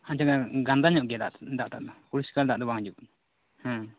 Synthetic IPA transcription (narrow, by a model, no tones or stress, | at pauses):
aɲt͡ʃaɡaɡand̪aɲɔʔɡɛd̪ad̪aʔt̪aʔd̪ɔkuɾiskald̪aʔd̪ɔbaŋd͡ʒuʔ | hã